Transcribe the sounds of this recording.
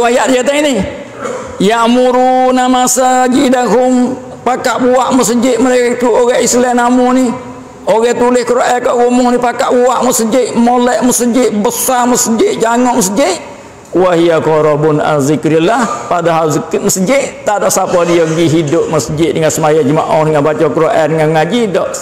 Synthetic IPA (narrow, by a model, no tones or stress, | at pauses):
wajaʔdijat̪aini | jaʔmuɾunamasaɡidaŋɦʊm | pakaʔbuaʔməsəd͡ʒɪʔməɾek̪uoɣɛʔislɛʔnamuni | oɣɛt̪ulɪhkəɾaʔɛkaʔɣumʊhnipakaʔbuaʔməsəd͡ʒɪʔmolɛʔməsəd͡ʒɪʔbəsaməsəd͡ʒɪʔd͡ʒaŋɔʔməsəd͡ʒɪʔ | waɦijakoɾɔbʊna̰zikɾilahpadaɦalzkməsəd͡ʒɪʔt̪aʔdɔʔsapadiaɡiɦidʊp̚məsəd͡ʒɪʔdəŋansəmajad͡ʒəmaʔɔhndəŋanbat͡ʃɔkəɾaʔɛrdəŋanŋad͡ʒidɔʔ